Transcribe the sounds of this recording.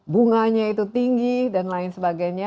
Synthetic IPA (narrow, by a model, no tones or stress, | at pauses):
buŋaɲait̪ut̪iŋɡidanlaɪnsəbaɡajɲa